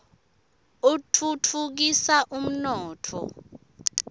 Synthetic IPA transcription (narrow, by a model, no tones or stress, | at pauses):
utʰutʰuk̬isaʔum̩nɔːtʰɔ̰